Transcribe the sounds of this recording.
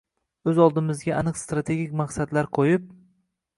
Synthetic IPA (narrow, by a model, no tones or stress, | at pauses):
ɵzɒlˠd̪ɪmɪzɡʲaʔanɨqst̪ɾat̪ʰe̞ɡʲikʲmaqsad̪laɾqʰojɪp̚